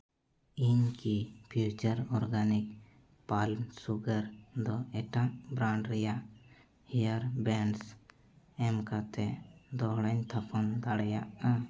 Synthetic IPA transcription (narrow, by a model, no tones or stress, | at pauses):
iɲkipʰjut͡ʃəɾɔɾɡanik | palmsuɡəɾd̪ɔɛʈaʔbɾãɳɖɾɛjaʔ | hijaɾbɛns | ɛmkat̪ɛd̪ɔɦɽaɲt̪ʰapʰɔnd̪aɽɛjaʔa